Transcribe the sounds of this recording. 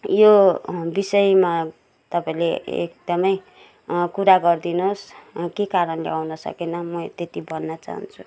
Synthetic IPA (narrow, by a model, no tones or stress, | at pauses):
jobisʌjma | t̪ʌpaĩleḛk̚d̪̥ʌmʌj | kuɾaɡʌrd̪inoskekaɾʌnlḛawnʌsʌ̰kenʌmʌt̪et̪ibʱʌnːʌt͡sa̰ɦʌ̰nt͡sʰu